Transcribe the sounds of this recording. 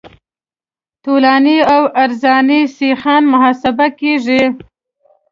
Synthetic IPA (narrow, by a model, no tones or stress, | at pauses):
t̪olɑniawaɾzɑnisixɑnmʊɦɑːsabakeʐi